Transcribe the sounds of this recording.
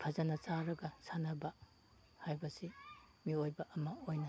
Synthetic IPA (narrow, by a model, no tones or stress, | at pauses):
pʰɐzɐnɐt͡ʃaɾɐɡɐsʰanɐbɐ | hajbɐsi | miojbɐʔɐmɐojnɐ